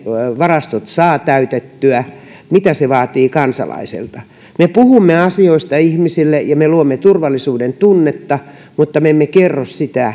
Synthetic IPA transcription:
ʋɑrɑst̪ot̪sɑːt̪æyt̪et̪ːyæ | mit̪æseʋɑːt̪iːkɑnsɑ̰lɑ̰isḛlt̪ɑ | mepuhumːeɑsioist̪ɑihmisilːejɑmeluomːet̪urʋɑlːˑisuːdent̪unːet̪ːɑ | mut̪ːɑmeemːekerːossit̪æ

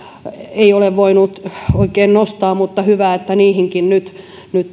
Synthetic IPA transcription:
eioleʋʋoinut̪oikeːnnost̪ɑːmut̪ːɑhyʋæːet̪ːæniːhiŋkinnyt̪ | nyt̪

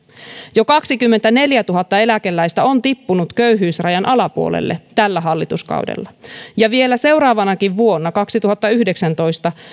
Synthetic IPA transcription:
jokɑksikymːent̪æne̞ljæt̪uɦɑt̪ːɑe̞lækelːæjst̪æont̪ipːunut̪køyɦyːsrɑjɑnʔɑlɑpuo̰lḛlːḛt̪ælːæɦɑlːit̪uskɑ̰ṵdḛlːɑjɑʋie̞læse̞wɾɑːʋɑnɑkiʋʋuo̞nːɑkɑksit̪uhɑt̪ːɑyhdeksænt̪o̞jst̪ɑ

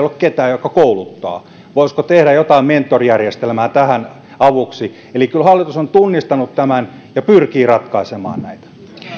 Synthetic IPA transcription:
olːekket̪æːjokːˑɑkoulut̪ːɑ̰ː | ʋoiskot̪ehɾæjot̪ɑiment̪ːorijærjest̪elmæːt̪æhæn | ɑʋuksi | elikylhɑlːit̪usont̪unːist̪ɑnut̪t̪æmæn | jɑpyrkiːrɑt̪kɑisemɑ̰ːnnæit̪æ̥

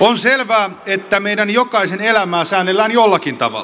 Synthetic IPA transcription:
onselʋæːet̪ːæmeidænjokɑisenelæmæːsæːnːelːæːnjolːɑkint̪ɑʋɑ̰lːˑɑ

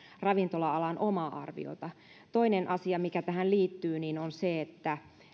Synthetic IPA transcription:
rɑʋint̪olɑɑlɑnʔomɑʔɑ̰rʋḭo̰t̪ɑ | t̪o̞inenʔɑsiɑmikæt̪æhænliːt̪ːyːninonseet̪ːæ

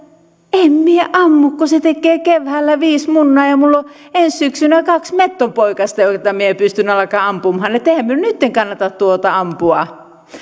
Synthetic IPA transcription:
emmieʔɑmːukkoset̪ekˑeːkeʋhælːæʋiːsmunːɑːjɑmulːoenssyksynækɑksmet̪ːompoikɑst̪ɑjot̪ːɑmiepyst̪ynːˑɑlɑkɑːɑmpumhɑnet̪ːehæmːyønnyt̪ːeŋkɑnːɑt̪ɑt̪t̪uot̪ɑɑmpuɑ

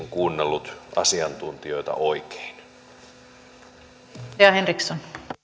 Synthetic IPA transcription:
ŋkuːnːelːut̪ʔɑ̰siɑnt̪unt̪io̞jt̪ɑ̰ʔoike̥in | eɑɦenrikson

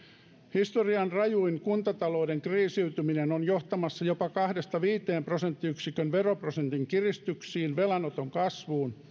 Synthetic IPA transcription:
hist̪oriɑnrɑjuiŋkunt̪ɑt̪ɑlo̞ːdeŋkriːsiyt̪yminenonjoht̪ɑmɑsːɑjo̞pɑkɑhdest̪ɑʋiːt̪eːmprosent̪ːiyksikønʋeroprosent̪iŋkirist̪yksiːnʋelɑnot̪oŋkɑsʋuːn

